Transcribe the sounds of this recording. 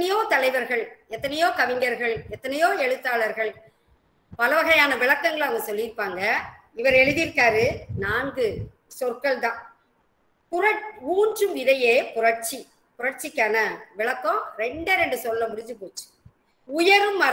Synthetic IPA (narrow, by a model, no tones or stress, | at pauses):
ɐnɐjoːt̪ɐlɐɪʋɐɾɣɐɭɛt̪ːɐnɐjoːkɐʋɪŋɡɐɾɣɐɭɛt̪ːɐnɐjoːɛɻɯt̪ːaːɭɐɾɣɐɭ | pɐlɐʋɐɣɐjaːnɐʋɪɭɐkːɐŋɡɐɭɐɐŋɡɐsɔlːɪɾɯpːaːŋɡɐ | ɪʋɐɾɛɻɯðɪɾɯkːaːɾɯnaːŋɡɯ | sɔrkɐɭt̪ãː | pʊɾɐuːɲd͡ʒɯmɪðɐjeːpʊɾɐʈt͡ʃi | pʊɾɐʈt͡ʃɪkːɐnɐʋɪɭɐkːõːɾɛɳɖɐɾɛɳɖɯsɔlːɐmʊɾɪɲd͡ʒɯpoːt͡ʃːɯ̥ | ʊjɐɾɯmːɐ